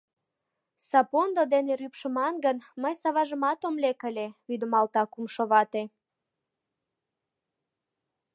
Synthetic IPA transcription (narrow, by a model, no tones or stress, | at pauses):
sɑpond̪od̪eneɾypʃəmɑnɡənməjsɑβɑʒəmɑt̪omlekəlʲeβyd̪əmɑlt̪ɑkumʃoβɑt̪e